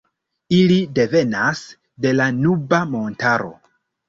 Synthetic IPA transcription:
ilide̞ve̞nas | de̞lanubamo̞ntaɾo̞̰

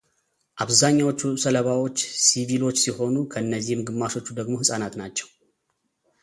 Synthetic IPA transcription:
ʔaβzaɲːawot͡ʃːusələβawo̞t͡ʃːsivilo̞t͡ʃːsiho̞nukʰəɨnːəzːihmɡɨmːaʃo̞t͡ʃːud̪əɡmo̞hɨsʼanat̪nat͡ʃːɛw

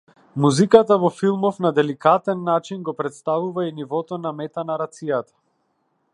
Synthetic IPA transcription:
muzikat̪avɔfilˠmɔfnad̪ɛlikat̪ɛnːat͡ʃinɡɔpɾɛt̪st̪avuvainivɔt̪ɔnamɛt̪anaɾat̪sijat̪ḁ

